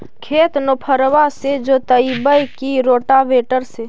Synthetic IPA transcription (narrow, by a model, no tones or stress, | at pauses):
kʰeːt̪nopʰəɾʋased͡ʒoːt̪əibəjkiɾoːʈaʋeːʈəɾseː